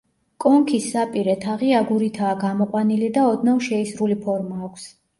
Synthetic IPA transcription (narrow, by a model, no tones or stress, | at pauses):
kʼɔŋkʰisːapʼiɾɛt̪ʰaʁiaɡuɾit̪ʰaːɡamɔqʼwanilid̪aɔd̪namʃɛisɾulipʰɔɾmaːkʷʰs